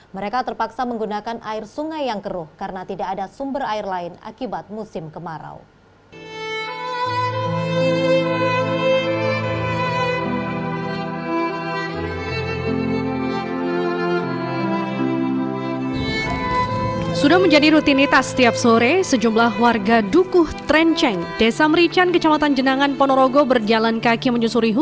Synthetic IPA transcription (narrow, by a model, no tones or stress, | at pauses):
məɾekat̪ərpaksaməŋɡunakanʔaɪrsuŋajːaŋkəɾʊhkaɾənat̪idaːdasumbəraɪrlaɪna̰kibat̪̚musɪmkəmaɾa̰w | sudahməɲd͡ʒadiɾut̪init̪ast̪iap̚soɾesəd͡ʒumlahwarɡadukʊht̪ɾɛnt͡ʃɛŋd̥esaməɾit͡ʃankət͡ʃamat̪and͡ʒənaŋanpɔnoɾoɡobərd͡ʒalankakiməɲusuɾiɦu